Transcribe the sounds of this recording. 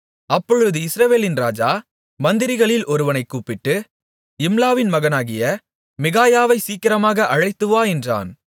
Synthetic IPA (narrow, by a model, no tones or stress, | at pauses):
ɐpːɔɻɯðɯɪsɾɐʋeːlɪnɾaːd͡ʒaː | mɐnd̪ɪɾɪɣɐɭɪlʔɔɾɯʋɐnɐɪkːuːpːɪʈːɯ | ɪmlaːʋɪnmɐɣɐnaːɣɪjɐ | mɪɣaːjaːʋɐɪsiːkːɪɾɐmaːɣɐʔɐɻɐɪt̪ːɯʋaːɛndra̰ːn